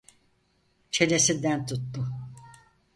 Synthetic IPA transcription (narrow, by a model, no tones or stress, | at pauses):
t͡ʃʰelesid̪ænt̪ʰut̪ːʊ